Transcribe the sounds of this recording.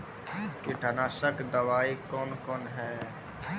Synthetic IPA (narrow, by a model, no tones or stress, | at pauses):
keʈʰənaːsəkd̪əʋaːikɔːnkɔːnɦɛː